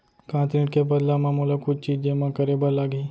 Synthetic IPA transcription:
kãːt̪ɾĩːʈkebəd̪lamãːmulakʊt͡ʃt͡ʃiːd͡ʒd͡ʒeːmãkəɾebəɾlaːɡiː

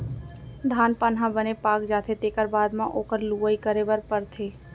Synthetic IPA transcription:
d̪ʱaːnpanɦãbənepaːkd͡ʒaːt̪ʰet̪eːkəɾbaːd̪mãʔoːkəɾluːəikəɾebəɾpəɾt̪ʰeː

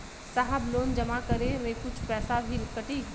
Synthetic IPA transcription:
saːɦəbloːnd͡ʒɐmakɐɾeʋẽːkʊd͡ʒʱpɛːsabʱiɾɪkəʈiː

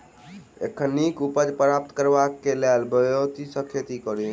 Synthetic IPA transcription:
ḛkʰːənːikupəd͡ʒpɾap̚t̪kəɾbakːelelbəjot̪isəkʰet̪ikɔɾi

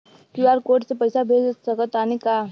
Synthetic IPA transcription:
kiaɾkoɾʈt͡sepəjsabʱed͡zsəkət̪anika

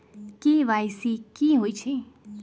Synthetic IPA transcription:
kiːʋaːjsikiɦoːit͡ʃʰe

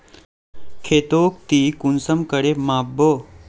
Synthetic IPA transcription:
kʰet̪oːk̚t̪iːkunsəmkəɽemaːbːo

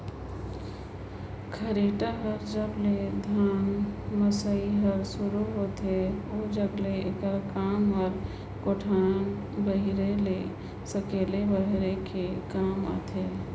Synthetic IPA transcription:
kʰəɾeʈaɦəɾd͡ʒəbled̪ʱaːnməsaiɦəɾsʊɾuɦot̪eod͡ʒəɡleekəɾkaːmɦəɾ | koʈʰaːn | bəɦiɾele | səkelebəɦɾekekaːma̰t̪ʰe

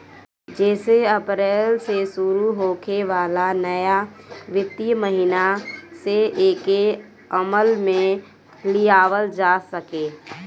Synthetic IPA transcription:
d͡ʒɛːseəpɾeːlsesʊɾuɦoːkʰeʋaːlanəjaʋɪt̪ːiməɦinaseeːke | əməlmẽ | lɪjaːʋəld͡ʒaːsəkeː

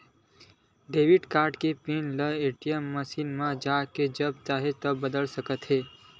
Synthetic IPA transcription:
ɖeʋiɖkaɾɖkepinləeʈijəmːəsinmãd͡ʒaked͡ʒəb̚t͡ʃaɦet̪əːəd̪əlsəkət̪ɦe

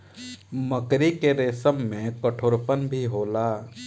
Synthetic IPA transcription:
məkɾikeɾeːsəmːẽkəʈʰoːɾpənbʱiɦoːlaː

